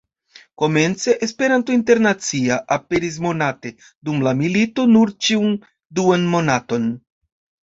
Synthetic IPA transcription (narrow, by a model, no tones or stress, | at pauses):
ko̞me̞nt͡se̞ʔespe̞ɾantointe̞ɾnat͡siaʔape̞ɾis̬mo̞nate̞ | dumlamilito̞nuɾt͡ʃiun | duanmo̞nato̞n